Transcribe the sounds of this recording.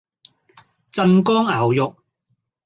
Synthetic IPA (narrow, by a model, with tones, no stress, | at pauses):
t͡sɐ˧nkɔː˥ŋaː˨˩wjʊ˨k̚